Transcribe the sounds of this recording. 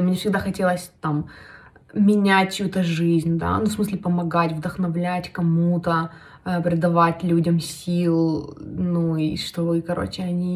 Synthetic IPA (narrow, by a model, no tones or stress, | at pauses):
mnʲe̞fsʲɪɡ̚d̪axɐtʲe̞lˠəsʲt̪am | mʲɪnʲæt̚ʲt͡ɕjut̪əʐɨzʲnʲd̪a̰nufsmɨsʲlʲɪpəmɐɡatʲvd̪əxnɐvlʲætʲkɐmut̪ə | əpɾʲɪd̪ɐvatʲlʲudʲəmsʲilˠnuiʂt̪ovɨkɐɾo̞̰t͡ɕɪɐnʲi